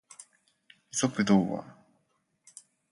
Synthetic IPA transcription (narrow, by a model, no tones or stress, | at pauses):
isokɯ̟d̪oːβa̰